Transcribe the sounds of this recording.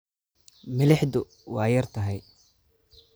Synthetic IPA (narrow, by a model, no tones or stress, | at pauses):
mɪlɛħd̪ʊ | wɑːjɐrt̪ʰɐɦɛj